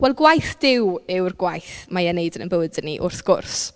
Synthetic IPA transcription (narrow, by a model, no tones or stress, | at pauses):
wɛlˠɡwajθd̥ɪwɪwrɡwajθmajanejdənə̰nbəwɨdənḭʔʊrθɡ̥ʊ̰rs